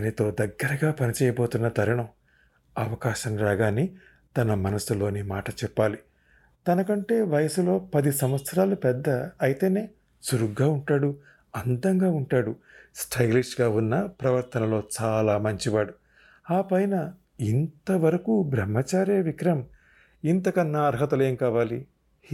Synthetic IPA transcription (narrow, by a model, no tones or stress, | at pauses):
ɐnit̪o̞ːd̪ɐɡːɐɾɐɡaːpɐnit͡ʃɛːjɐbo̞ːt̪unːɐt̪ɐɾɐɳɐw | ɐʋɐkaːʃɐmɾaːɡaːni | t̪ɐnɐmɐnɐsulo̞ːnimaːʈɐt͡ʃɛpːaːli | t̪ɐnɐkɐɳʈe̞ːʋɐjɐsulo̞ːpɐd̪isɐmʋɐt̪sɐɾaːlupɛd̪ːɐɐjit̪e̞ːne̞ː | suɾuɡːaːuɳʈaːɽu | ɐnd̪ɐŋɡaːuɳʈaːɽu | sʈʰɐjliʂɡaːunːɐpɾɐʋɐɾt̪ɐnɐlo̞ːt͡ʃaːlaːmɐɲt͡ʃiʋaːɽu | aːpɐjnɐ | int̪ɐʋɐɾɐkubɾɐmːɐt͡ʃaːɾjeːʋikɾɐm | int̪ɐkɐnːɐɐɾɦɐt̪ɐle̞ːmkaːʋaːli